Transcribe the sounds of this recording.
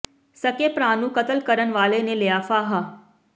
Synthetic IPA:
sɐkepɾaːnũkɐt̪əlkɐɾənʋaːlenẽlɪjaːfaːɦaː

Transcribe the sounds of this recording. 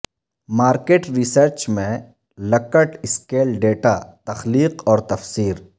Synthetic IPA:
maːɾkeːʈɾisəɾt͡ʃmẽ | lɐkəʈɪskeːlɖeːʈat̪ɐxliːqɔːɾt̪ɐfsiːɾ

